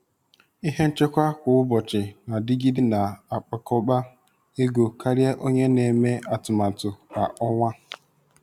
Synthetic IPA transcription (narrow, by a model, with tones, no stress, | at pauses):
i˦ɦe˦n̩˦t͡ʃe˦kʷa˦kʷʊ˨ʊ˦bɔ˨t͡ʃɪ˨na˨dɪ˦ɡi˦dɪ˦na˨a˨k͡pa˨kɔ˦k͡pa˦ | e˦ɡo˨ka˦ɾja˦ʔo˦ɲe˦ne˨me˦a˨tʊ˨ma˨tʊ˨a˨ɔ˦ŋʷa˦